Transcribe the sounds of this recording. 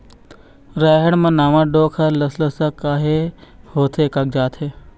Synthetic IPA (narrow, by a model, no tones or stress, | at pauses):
ɾɛːɦəɽ̃mɐ̃naːʋãɖoːkʰɐlɐsləsɐkaːɦehoːt̪ʰekɐk̚d͡ʒaːt̪ʰe